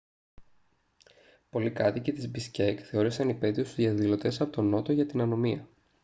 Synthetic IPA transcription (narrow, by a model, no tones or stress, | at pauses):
po̞likɐt̪icet̪izbiscekθe̞o̞ɾisɐnipe̞ðiost̪uzjiɐðilo̞t̪e̞sɐpo̞t̪o̞no̞t̪o̞ʝɐt̪inɐno̞miɐ